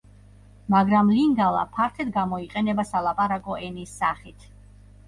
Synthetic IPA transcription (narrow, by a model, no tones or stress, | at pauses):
maɡɾamliŋɡalˠa̰pʰaɾt̪ʰɛd̪ɡamɔiqʼɛnɛbasalˠapʼaɾakʼɔʔɛnisːaχit̪ʰ